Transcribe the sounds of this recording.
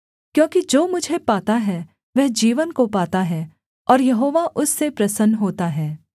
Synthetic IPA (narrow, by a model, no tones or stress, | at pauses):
kjõːkid͡ʒoːmʊd͡ʒʱepaːt̪aɦɛ | ʋɛɦd͡ʒiːʋənkopaːt̪aɦɛː | ɔːɾjɐɦoːʋaʔʊsːepɾɐsənɦoːt̪aɦɛː